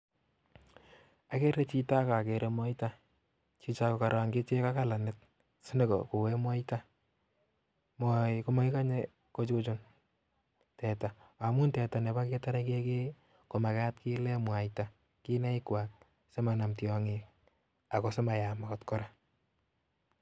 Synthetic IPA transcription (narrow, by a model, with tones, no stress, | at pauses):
a˨ke˦ɾe˦t͡ʃi˦ta˦ka˨ke˨ɾʔemɔ˦ita˦ | t͡ʃi˧t͡ʃa˦kɔ˨ka˨ɾwa˨ŋke˦t͡ʃe˦ka˦ka˦la˨ne˦t̚ | si˦ne˦kɔ̰ko˨wɛ˦mwɔ˦ita˦ | mɔkɔ˦mɔ˦i˦ka˦ɲe | ko˦t͡ʃut͡ʃo˦n | tɛ˨ta˨a˨mu˦ntɛ˨ta˨ne˨ba˦ke˦ta˦ɾake˦ke˦ | ko˨ma˨ka˦tki˦lɛ˦mwa˨ita | ki˦nɛ˦i˦kwa˨k̚ | se˦ma˨na˨mtjɔ˨ŋik | a˨kɔ˨se˦ma˨ja˨ma˨kɔ˨tkɔ˦ɾa